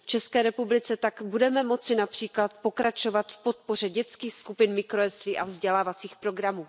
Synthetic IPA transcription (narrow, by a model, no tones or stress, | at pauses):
ft͡ʃɛskɛːɾɛpublɪt͡sɛt̪akbudɛmɛmo̞t͡sɪnapr̝̥iːklat̪̚po̞kɾat͡ʃo̞vat̪fpo̞t̪̚po̞r̝ɛɟɛt͡skiːxskupɪnmɪkɾoɛsviːʔavzɟɛlaːvat͡siːxpɾo̞ɡɾamuː